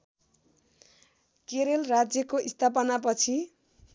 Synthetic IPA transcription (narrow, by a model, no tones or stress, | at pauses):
keɾelrad͡zjʌkoʔist̪ʰap̬ʌnap̬ʌt͡sʰi